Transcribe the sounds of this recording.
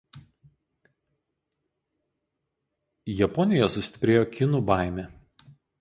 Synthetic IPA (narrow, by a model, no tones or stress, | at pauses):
jɛpɔnʲɪjɛsʊsʲt̪ʲɪ̥pʲɾʲeːjoːkʲɪnuˑbaˑɪmʲe